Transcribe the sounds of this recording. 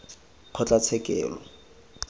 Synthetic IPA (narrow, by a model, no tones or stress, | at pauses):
q͡χʰɔt͡ɬʼat͡sʰɛkʼɛ̰ːlɔ